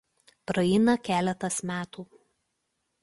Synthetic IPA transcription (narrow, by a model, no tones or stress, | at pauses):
pɾɐɛɪnɐkʲæːlʲɛt̪ɐsmʲæːt̪uː